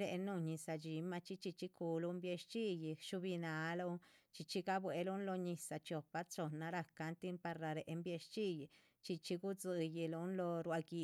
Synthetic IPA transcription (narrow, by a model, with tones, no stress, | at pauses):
ɾe˧ʔnu˧ɲi˧sa˧d͡ʒi˨˦ma˧t͡ʃi˦t͡ʃi˧t͡ʃi˧˦ku˨˧lu˧˦mbje˧ʃt͡ʃi˦ji˧ʃu˧bi˧na˨˦lo˧t͡ʃi˧t͡ʃi˦ɡa˦bwe˨˧lu˦nlo˧ɲi˧sa˧t͡ʃo˧pa˧˦t͡so˧na˧ɾa˧ka˧˦nt̪i˦npa˧ɾɾa˧ɾe˨ʔmbje˧ʃt͡ʃi˦˧ji˧ | t͡ʃi˧t͡ʃi˧ɡu˦d͡zɨ˧ji˧lu˧˦nlo˧ɾwa˧ɡi˧